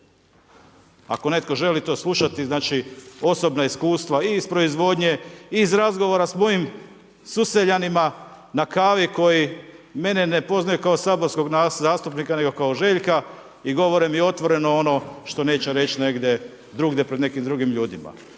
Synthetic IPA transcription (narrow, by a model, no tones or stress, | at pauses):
a̰ko̞ne̞t̪ko̞ʒe̞lit̪o̞ːslˠuʃat̪iznaːt͡ʃio̞so̞bnaiskuːst̪ʋaiːspɾo̞izʋo̞d̪ɲe̞izɾazɡo̞ʋoɾasmo̞jim | suse̞ʎanima | nakaːʋiko̞jime̞nene̞po̞znajukaosaːbo̞ɾsko̞ɡnazaːst̪upnikane̞ɡo̞kaoʒe̞ʎka | iɡo̞ʋo̞ɾimio̞t̪ʋo̞ɾe̞noo̞no̞ʃt̪o̞ne̞ːt͡ɕeɾe̞t͡ɕne̞ɡd̪je̞ | d̪ɾuɡd̪epɾed̪ne̞kimd̪ɾuɡimʎuːd̪ima̰